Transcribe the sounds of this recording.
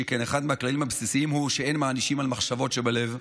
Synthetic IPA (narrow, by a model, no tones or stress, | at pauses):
ekeneχad̪meaklalimhabsisiimhuʃeenmaːniʃimalmaχʃavo̞tʃebale̞v